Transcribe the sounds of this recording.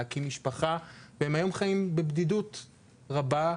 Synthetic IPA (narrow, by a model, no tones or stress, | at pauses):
kimiʃpaχavehe̞mhajo̞mχajimbebdidut | ʁaba